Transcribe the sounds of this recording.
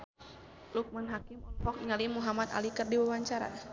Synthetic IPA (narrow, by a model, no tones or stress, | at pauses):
luk̚manɦakimɔnfɔkiŋalimuɦamat̪a̰likɨrdiwawaɲt͡ʃaɾa̰